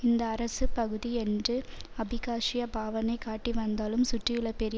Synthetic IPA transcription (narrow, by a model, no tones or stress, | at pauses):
ɪnd̪ɐːɾɐsɯpɐɣɯðiɛndrɯɐbɪɣaːʂɪjɐbaːʋɐnɐɪkːaːʈːiʋɐnd̪aːlɯmsʊʈrɪjɯɭɐpɛɾɪ